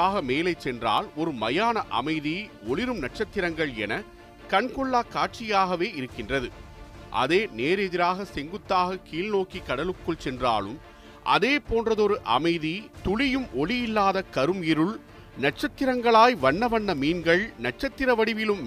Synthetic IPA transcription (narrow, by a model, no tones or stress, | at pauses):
aːɣɐmeːlɐɪt͡ʃsɛndra̰ːlɔɾɯmɐjaːnɐʔɐ̰mɐɪðiɔɭɪɾɯmnɐʈ̚t͡ʃɐt̪ːɪɾɐŋɡɐɭɛ̰nɐ | kɐɳkɔɭːaːkaːʈ̚t͡ʃɪjaːɣɐʋeːɪɾɯkːɪndrɐðɯ | ʔɐ̰ðeːneːɾɛðɪɾaːɣɐsɛŋɡɯt̪ːaːɣɐkiːlnoːkikːɐɽɐlɯkːɯɭt͡ʃɛndra̰ːlɯ̰m | ʔɐ̰ðeːpoːndrɐðɔɾɯʔɐ̰mɐɪðit̪ʊɭɪjɯmʔɔɭɪjɪlːaːðɐkɐɾɯmɪɾɯɭ | nɐʈ̚t͡ʃɐt̪ːɪɾɐŋɡɐɭaːjʋɐɳːɐʋɐnːɐmiːnɡɐɭnɐʈ̚t͡ʃɐt̪ːɪɾɐʋɐɽɪʋɪlɯm